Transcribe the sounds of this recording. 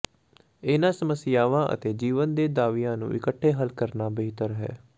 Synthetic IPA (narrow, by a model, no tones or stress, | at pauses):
ɪnãːsəməsɪjaːʋãːʔə̰t̪eːd͡ʒiːʋənd̪eːd̪aːʋijãːnṵ̃ːʔɪkəʈʰːeːɦəlkəɾnaːbeːt̪əɾɦɛ̰ː